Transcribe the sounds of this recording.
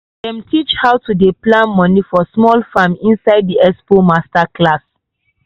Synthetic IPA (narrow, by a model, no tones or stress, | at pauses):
dɛ̃mtʰit͡ʃhawtudeplãnmɔ̃nifɔsmɔlfãmĩnsaɪddiɛspomastaklas